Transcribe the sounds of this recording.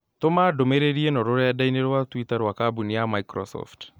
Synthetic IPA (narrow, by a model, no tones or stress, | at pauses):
tomadomeɾeɾienɔɾoɾejadaineɾwatwitaɾwakabuniamaikɾɔ̰sɔ̰ft